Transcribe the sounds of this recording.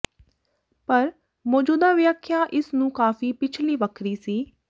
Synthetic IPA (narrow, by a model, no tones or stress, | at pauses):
pəɾ | mɔːd͡ʒuːd̪aːʋɪjəkʰːjaːʔɪsnũːkaːfiːpɪt͡ʃʰliːʋəkʰɾiːsiː